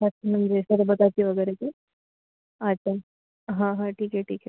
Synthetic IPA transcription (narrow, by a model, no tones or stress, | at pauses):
ɐtːɕʰanɐmd͡ʑesɐɾbɐt̪at̪iʋəɡɛːɾeki | ɐtːɕʰa | ɦãɦãʈʰiːkɦɛʈʰiːkɦɛ